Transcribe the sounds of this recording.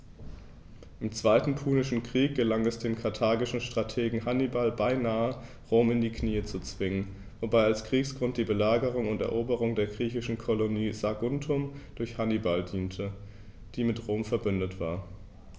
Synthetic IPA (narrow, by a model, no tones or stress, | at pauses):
ʔɪmt͡sv̥aɪtn̩pʰuːnɪʃn̩kʁ̥iːk̚ɡ̥əlaŋɛsd̥eːnkʰaɐtʰaːɡɪʃn̩ʃtʁ̥atʰeːɡŋ̩hanibalbaɪnaːə | ʁoːmɪndiːkʰniːət͡sut͡sv̥ɪŋən | vobaɪalskʁ̥iːksɡ̥ʁʊntd̥iːbəlaːɡəʁ̞ʊŋʊntɛ̰ɐʔoːbəʁʊŋdeːɐɡʁiːçɪʃn̩kʰoloniːzaɡʊntʰʊmd̥ʊɐçhanibaldiːntʰə | d̥iːmɪtʁoːmfɛɐbʏndətv̥a̰ːɐ